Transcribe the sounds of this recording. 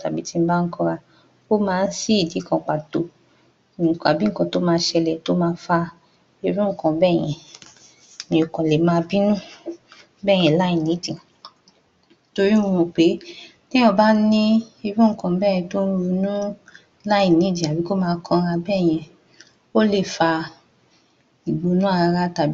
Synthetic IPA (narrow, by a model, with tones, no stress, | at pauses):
ta˨bi˨˦ti˦m̩˦ba˦ŋ̩˦kɔ̃˧ɾa˧ | ko˦mãː˦˧n̩˦si˦i˦˨di˨˦kʰɔ̃˧˨k͡pa˨to˨ | ka˨bi˦ŋ̩˦kɔ̃˧to˦mãː˧˦ʃɛ˧lɛ˨to˦mãː˦˧˦fa˧ | e˧ɾũ˦ŋ̩˦˨kɔ̃˨bɛː˦˨j̃ɛ̃˨ | mĩ˨o˨kɔ̃˨lɛ˨mãː˦bi˦nũ˦ | bɛː˦˨j̃ɛ̃˨la˦i˨nĩ˨˦di˨ | to˧ɾi˦ũ˦˧ɔ̃˧˨k͡pe˨˦ | nĩ˦ɔ̃˦˨ba˦nĩ˦e˧ɾũ˦ŋ̩˦˨kɔ̃˨˧˦bɛː˦˨j̃ɛ̃˧to˦n̩˦ɾu˧nũ˦ | la˦i˦˨nĩ˨˦d͡ʒi˨a˨bi˨˦ko˦mãː˦˧kʰɔ̃˧ɾa˧bɛ˦˨j̃ɛ̃˧ | o˦le˦˨fa˧ | i˨ɡ͡bo˨˦nũ˦a˦˧a˧ɾa˦ta˨